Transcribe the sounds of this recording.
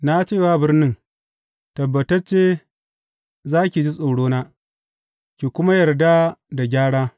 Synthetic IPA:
na˦t͡ʃeː˦˨waː˦bɪ˦rnɪ˦ŋ | tɐ˨bːɐ˨tɐ˦rt͡ʃeː˦ | zaː˦kʲi˨d͡ʒi˦sʼo˨wɽoː˦naː˦ | kʲi˨kʷʊ˦ma˦jɐ˨rda˦da˨ɡʲaː˦ɽaː˦

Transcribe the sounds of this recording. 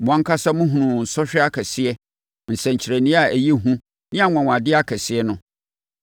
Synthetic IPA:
mʊ̃˨ã˦ŋ̩˦kʰa˦sa˦mʊ̃˦ɦũ˨nũ˨n̩˨sɔ˦ɕᶣɛ˦a˦kʰɛ˨sɪ˦ɛ˦ | n̩˨sɛ̃˨ɲ̩˨t͡ɕʰɪ˨ɾæ˨nĩ˦a˨æ˨jɛ˦ɦũ˦ | nɪ̃˦a˨ŋʷã˨wã˨dɪ˦a˦kʰɛ˨sɪ˦ɛ˦nʊ̃˦

